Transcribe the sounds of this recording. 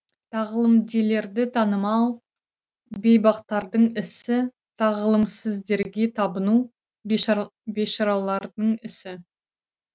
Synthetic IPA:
t̪ʰɑʁlˠəmd̪ele̞ɾd̪ɪt̪ʰɑnəmɑw | be̞jbɑqt̪ɑɾd̪əɴɪsɪ | t̪ʰɑʁəlˠəmsɪzd̪e̞ɾɡʲe̞t̪ʰɑbənu | be̞ʃɑɾɑlˠɑɾd̪əɴɪsɪ

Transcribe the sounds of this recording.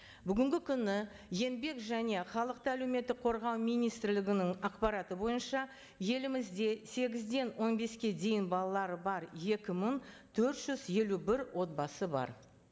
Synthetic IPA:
bʏɡʲɪŋɡʲɪkʲʰʏnɪ | je̞nbe̞kʒæne̞χɑlˠəq̚t̪əælewme̞t̪ːɪk̚qʰo̞ɾʁɑwmijnijst̪ɪɾlɪɡʲɪnɪŋɑqpɑɾɑt̪əbo̞jənʃɑ | je̞lɪmɪzd̪e̞se̞ɡʲɪzd̪e̞nwo̞nbe̞skʲe̞d̪e̞jɪnbɑlˠɑlˠɑɾəbɑɾje̞kʲɪmɪŋt̪ʰɵɾt̪ʒ̥ʏzje̞lubɪɾwʔo̞t̪̚bɑsəbɑ̰ɾ

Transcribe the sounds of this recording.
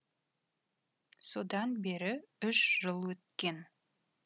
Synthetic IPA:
so̞d̪ɑnbe̞ɾɪʏʃʒ̥əlˠwɵt̪̚kʲe̞n

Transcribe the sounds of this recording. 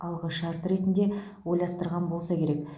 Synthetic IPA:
ɑlˠʁəʃɑɾt̪əɾe̞t̪ɪnd̪e̞ | wo̞j̪ɑst̪əɾʁɑnbo̞lˠsɑkʲʰe̞ɾe̞k

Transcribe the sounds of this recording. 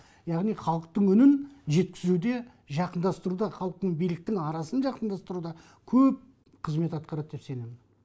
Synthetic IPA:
jɑʁnijχɑlˠəq̚t̪əɴʏnɪnʒe̞t̪kʲʰɪzud̪e̞ | ʒɑqənd̪ɑst̪əɾud̪ɑχɑlˠəq̚t̪əɴbijlɪk̚t̪ɪŋɑɾɑsənʒɑqənd̪ɑst̪əɾud̪ɑ | kʲʰɵp̚ | qʰəzme̞t̪ɑt̪̚qɑɾɑt̪̚d̪e̞pse̞ne̞mɪn

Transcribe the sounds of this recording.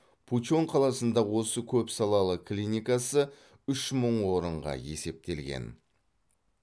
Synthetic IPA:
pʰuo̞ɴqʰɑlˠɑsənd̪ɑwo̞səkʲʰɵpsɑlˠɑlˠəkʰlʲinʲijkɑsə | ʏʃməɴwo̞ɾəɴʁɑ̰je̞̰se̞p̚t̪e̞lɡʲe̞̰n

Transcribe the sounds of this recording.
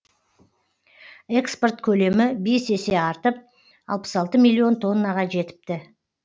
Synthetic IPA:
e̞kspo̞rt̪kʲʰɵle̞mɪbese̞se̞ɑɾt̪əp̚ | ɑ̰lˠpə̥sɑlˠt̪əmilʲːio̞nt̪ʰo̞nːɑʁɑʒe̞t̪ɪ̥p̚t̪ɪ

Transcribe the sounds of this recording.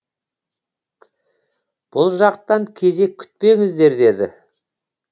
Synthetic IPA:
b̥ʊlˠʒɑq̚t̪ɑŋkʲʰe̞ze̞kʲʰʏ̥t̪̚pe̞ŋɪzd̪e̞ɾd̪e̞d̪ɪ̰

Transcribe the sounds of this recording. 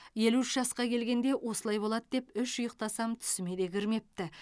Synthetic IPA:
je̞luɪʃʒɑsqɑkʲʰe̞lɡʲe̞nd̪e̞ʔwʔo̞səlˠɑjbo̞lˠɑd̪əd̪e̞pʏʃʊjəq̚t̪ɑsɑmt̪ʰʏ̥sɪme̞d̪e̞ɡʲʰɪɾme̞p̚t̪ɪ

